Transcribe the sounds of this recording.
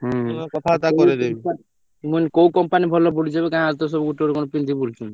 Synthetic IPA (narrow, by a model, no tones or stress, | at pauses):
ɦkɔt̪ʰat̪akɔɾeɾea | munkowkɔmpanibʱɔlːobʱuɽid͡ʑabekãad͡ʑt̪os̬ɔbɡuʈoɾekonopind̪ʱibult͡ɕʰun